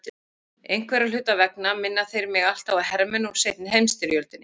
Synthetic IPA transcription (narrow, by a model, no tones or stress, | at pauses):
ejn̥kʰvɛɾalʏːt̪avɛk̚namɪnːaθejɾmɪɣal̥t̪awaðhɛɾmɛnɔɣseːjt̪̚nɪɦejmst̪ɪɾjœlt̪ʏnːɪ